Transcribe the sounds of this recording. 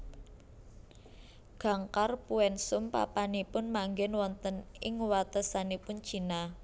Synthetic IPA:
ɡ̥a̤ŋkarpuɛnsʊmpa̰panipʊnmaŋɡɛnwɔnt̪ənɪŋwat̪əsanipʊn̥t͡ʃi̤na

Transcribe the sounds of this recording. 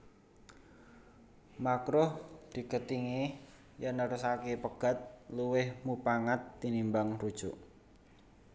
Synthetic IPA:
makɾʊhd̪̥i̤kət̪iŋe | janəɾusakepəɡ̥a̤t̪̚luwɪhmupaŋat̪ːinimbaŋrud̥ʒ̥ʊʔ

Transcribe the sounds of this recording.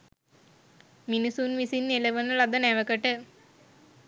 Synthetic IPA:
minusunʋisinːeləʋənəlad̪ənæʋəkəʈə

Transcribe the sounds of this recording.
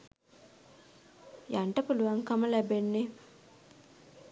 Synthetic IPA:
jaɳʈɐpuluʋaŋkamɐlæbenːe

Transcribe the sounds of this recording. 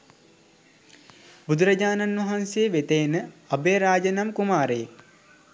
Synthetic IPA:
bud̪uɾɐd͡ʒaːnanʋɐɦanseːʋet̪ejnəɐbeːɾaːd͡ʒənamkumaːɾeː

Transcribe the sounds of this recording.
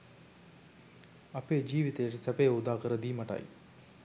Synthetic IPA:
ɐpeːd͡ʒiːʋit̪əjəʈisæpejud̪aːkəɾəd̪iːmaʈa̰j

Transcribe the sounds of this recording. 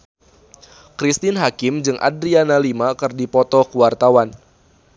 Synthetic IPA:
kɾist̪ɪnɦakɪmd͡ʒɨŋʔa̰dɾianalimakɨrdipɔt̪ɔkəwart̪awan

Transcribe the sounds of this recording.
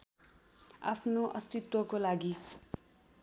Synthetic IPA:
a̰pʰnoʔʌst̪it̪wʌkolaɡi

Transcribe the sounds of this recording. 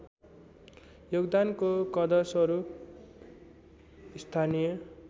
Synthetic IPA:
joɡd̪ankokʌd̪ʌsʌɾup̚ | ist̪ʰanijʌ

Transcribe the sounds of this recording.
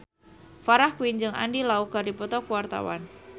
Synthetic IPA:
faɾahkwind͡ʒɨŋa̰ndilauk̚ɡ̥aɾdipɔt̪ɔkuwart̪a̰wa̰n

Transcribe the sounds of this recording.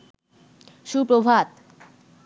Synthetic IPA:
ʃupɾobʱat̪

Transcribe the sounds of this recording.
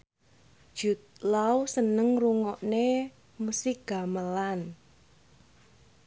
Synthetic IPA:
d̥ʒ̥ut̪̚lawsənəŋruŋɔʔne | musiɡ̥a̤məlan

